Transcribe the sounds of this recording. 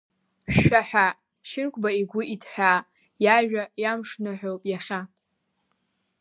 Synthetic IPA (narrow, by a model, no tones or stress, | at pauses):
ʃaħᶣa | ʃɪnkʷʰʼbaiɡʷʊʔitʰħʷᶣa | jaʒᶣajamʂnɨħʷᶣowpʼjaχʲa